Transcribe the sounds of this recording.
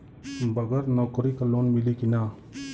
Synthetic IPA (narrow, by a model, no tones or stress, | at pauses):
bəɡəɾnɔkɔɾikalonmilikina